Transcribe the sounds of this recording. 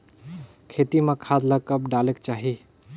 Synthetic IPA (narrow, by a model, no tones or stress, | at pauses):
kʰet̪imekʰad̪lakəpɖalekt͡ʃaːɦi